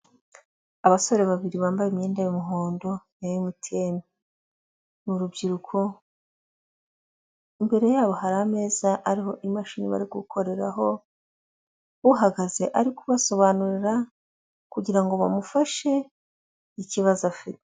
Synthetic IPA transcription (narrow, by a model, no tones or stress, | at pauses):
aβaso̞ɾe̞βaβiɾiβaːmbajemɲeːndajumuɦoːndo̞jajumutʰe̞mi | nuɾubɟiɾukʰo̞ | imbe̞ɾe̞jaːβo̞haɾame̞ːzaʔaɾiho̞ʔimaʃiːnḭβa̰ɾiɡukʰo̞ɾe̞ɾa̰ɦo̞ | uɦaɡaze̞ʔaɾikuβaso̞βanuɾiɾa | kuɟiɾaŋɡo̞βa̰mufaʃe̞ | iciβazafite̥